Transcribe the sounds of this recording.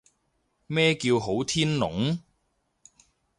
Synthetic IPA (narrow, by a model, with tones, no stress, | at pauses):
mɛː˥kiː˧wɦo˨˥wt̪ʰiː˥nlʊ̰˨˥ŋ